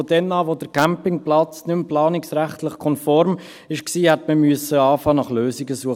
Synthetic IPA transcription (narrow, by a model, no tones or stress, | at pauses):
od̥ɛnɑːʋod̥əɾkʰæmpɪŋplɑt͡snʏmplɑːnɪksɾæχtlɪχkʰɔnfɔɾm | ɪʃksiːhɛtməmyəsəɑːfɑːnɑχløːsiɡəsuə